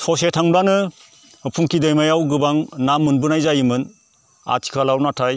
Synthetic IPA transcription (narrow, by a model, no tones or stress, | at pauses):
tʰɔsetʰaŋblanɯ | pʰuŋkʰidajmajawɡɯbaŋnamːɯnbɯnajzajɯmɯn | a̰tʰi̥kʰalawnatʰaj